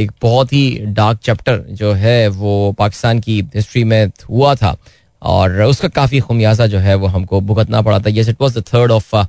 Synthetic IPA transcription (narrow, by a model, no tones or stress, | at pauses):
eːk̚b̥ɔɦɔt̪ɦiɖaːɾk̚t͡ʃɛːp̚ʈəɾd͡ʒoːɦɛʋoːpaːkɪ̥st̪aːnkiɦɪsʈɾimẽɦuat̪ʰa̰ː | ɔ̰ːɾʊskakaːfixʊmjaːzad͡ʒoːɦɛʋoɦɐmkobʱʊɡət̪na̰pɐɽa̰t̪ʰajɛs̬ɪʈʋɔːzd̪ət̪ʰəːɾɖɔːf